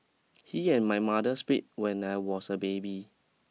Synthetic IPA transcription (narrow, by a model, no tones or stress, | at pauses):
hiɛ̃nmajmadəspit̚wɛ̃najwɔsəbebi